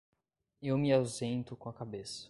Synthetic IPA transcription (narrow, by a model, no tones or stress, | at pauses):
ewmɪawzẽnt̪ʊkõɐkabesɐ̥